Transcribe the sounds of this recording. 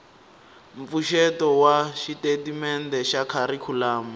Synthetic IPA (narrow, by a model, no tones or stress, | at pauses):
ɱp̪fuʃɛtɔwaʃitetimɛndɛʃakʰaɾikʰulaːma